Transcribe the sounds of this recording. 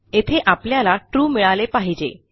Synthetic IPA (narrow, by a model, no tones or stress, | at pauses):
et̪ʰeʔapljalaʈɾuːmiɭalepaɦid͡ʑḛ